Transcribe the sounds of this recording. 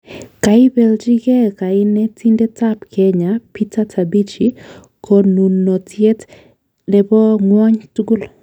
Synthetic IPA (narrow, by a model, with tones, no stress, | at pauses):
ka˨ɪ˦bɛ˨ld͡ʒi˦ɡɛ˦ka˨ɪ˦nɛ˦ti˦nde˦ta˦pkʰɛ˦ɲa˨pi˦ta˦tʰa˨bi˦t͡ʃi˨ | kʰɔ˦nu˨nːo˨tje˦t | dɛ˨bɔ˦ŋwɔ˦ɲtu˦ɡʊ˦l